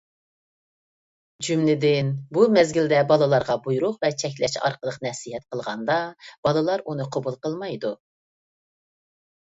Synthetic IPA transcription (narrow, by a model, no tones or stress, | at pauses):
d͡ʒymlɪd̪ɪnbumɛzɡʲild̪ɛbɑlˠɨlˠɑɾʁɑbujɾʊqvɛt͡ʃʰɛk̬ʲlɛʃɑ̰ɾqəlˠəqnɛsiɦɛt̪qʰəlˠʁɑnd̪ɑb̥ɑlˠɨlˠɑɾunɨqʰobulˠqəlˠmɑjd̪u